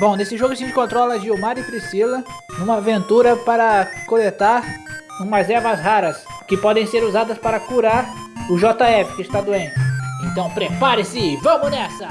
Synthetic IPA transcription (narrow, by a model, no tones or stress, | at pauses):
bõw̃nesɪʒoɡʊsĩd͡ʒɪkõnt̪ɾɔlɐd͡ʒɪumaɾɪpɾisilɐd͡ʒũmɐːvẽnt̪uɾɐpaɾɐkolet̪aɾũmɐɐzɛɾvɐzhaɾɐs | kɪpɔd̪ẽj̃seɾuzad̪ɐspaɾɐkuɾaɾʊʒɔt̪aɛfɪ̥kɪst̪ad̪uẽnt͡ʃɪẽnt̪ɐ̃w̃pɾepaɾɪsɪvɐ̃mʊnɛsɐ